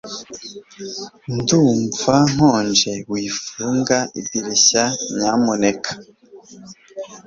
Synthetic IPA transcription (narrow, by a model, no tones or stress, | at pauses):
nduɱvaŋ̥hoːnd͡ʒe̞wiːfuːŋɡaʔibiɾeɕaɲaːmonekʰḁ